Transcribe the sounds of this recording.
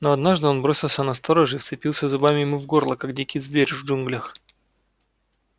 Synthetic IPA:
noɐd̪naʐd̪ɨo̞nbɾo̞sʲɪlˠsʲənɐst̪oɾəʐɨift̪sɨpʲilˠsʲəzʊbamʲɪjɪmuvɡo̞rlˠəkaɡdʲikʲɪjzvʲeɾʲvʐunɡlʲəx

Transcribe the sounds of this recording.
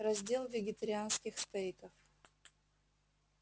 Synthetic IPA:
rɐzʲdʲe̞lˠvʲɪɡʲɪt̪əɾʲɪanskʲɪxst̪ajkəf

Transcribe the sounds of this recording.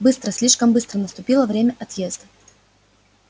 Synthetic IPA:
bɨst̪ɾəsʲlʲiʂkəmbɨst̪ɾənəst̪ʊpʲilˠəvɾʲemʲəʔɐt̪jezd̪ə

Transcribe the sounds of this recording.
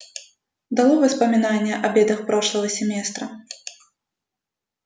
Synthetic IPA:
d̪alˠɔvɨspɐmʲinanʲːɛʔɐbʲɛd̪ɐxpɾɔʂlˠɐɣɐsʲɛmʲɛst̪ɾɐ

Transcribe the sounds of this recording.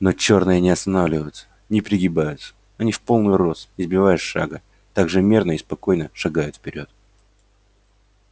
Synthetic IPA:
no̞t͡ɕo̞rnɨjənʲɪɐst̪ɐnavlʲɪvəjʊt̪sə̥ | nʲɪpɾʲɪɡʲɪbajʊt̪sə̥ | ɐnʲifpo̞lˠnʊɨjʊro̞sɪzbʲɪvajɪʂʂa̰ɡə | t̪aɡʐɨmʲe̞rnəɪspɐko̞jnəʂɐɡajʊt̪fpʲɪɾʲo̞t̪̚

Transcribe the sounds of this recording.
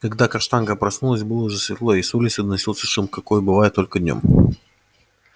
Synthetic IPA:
kɐɡd̪akɐʂt̪anɡəpɾɐsnulˠəsʲbɨlˠəʊʐɛsvʲɪt̪lˠoisulʲɪt̪sɨd̪ənɐsʲilˠsʲə̥ʂɨmkɐkojbɨvajɪt̪ːolʲkəd̪ʲnʲo̰m

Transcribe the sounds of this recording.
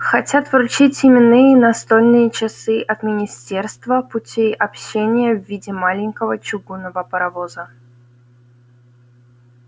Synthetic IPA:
xɐtʲat̪vɾʊt͡ɕitʲɪmʲɪnːɨjənɐst̪olʲnɨjət͡ɕɪsɨʔɐt̪mʲɪnʲɪsʲtʲe̞rst̪vəpʊtʲiʔɐpɕenʲɪjəvːʲidʲɪmalʲɪnʲkəvət͡ɕʊɡunəvəpəɾɐvozə

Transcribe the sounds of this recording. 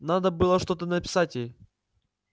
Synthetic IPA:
nad̪əbɨlˠəʂt̪ot̪ənəpʲɪ̥satʲej

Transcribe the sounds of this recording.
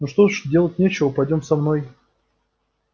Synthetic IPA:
noʂt̪oʂdʲe̞lˠət̚ʲnʲet͡ɕɪvəpɐjdʲo̞msɐmnoj

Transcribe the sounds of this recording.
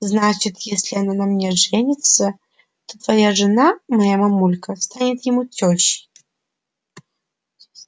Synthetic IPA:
znat͡ɕɪt̪jesʲlʲɪananɐmnʲɛʐɛnʲɪt̪sɐ | t̪ot̪vɐjaʐɨnamɐjamamulʲkʰɐst̪anʲɪt̪jɪmutʲʰoɕɪ̥

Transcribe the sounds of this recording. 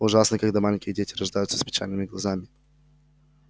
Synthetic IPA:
ʊʐasnəkɐɡd̪amalʲɪnʲkʲɪjədʲetʲɪɾɐʐd̪ajʊt̪sə̥spʲɪ̥t͡ɕʲa̰lʲnɨmʲɪɡlˠɐzamʲɪ

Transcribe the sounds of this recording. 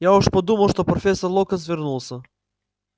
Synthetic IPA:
jaɔʃpɔd̪umɐlˠʃt̪ɔpɾɔfɛsɔɾlˠɔkɐsvəɾnulˠsə

